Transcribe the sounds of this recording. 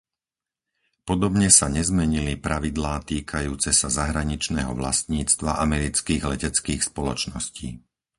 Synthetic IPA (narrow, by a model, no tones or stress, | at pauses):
pɔd̪ɔbɲɛsaɲɛzmɛɲilipɾaʋid̪laːt̪iːkʰajuːt͡sɛsazaɦɾaɲit͡ʃnɛ̰ːɦɔʋla̰st̪ɲiːt͡st̪ʋaʔamɛɾit͡skiːɣlɛcɛt͡skiːxspɔlɔt͡ʃnɔsciː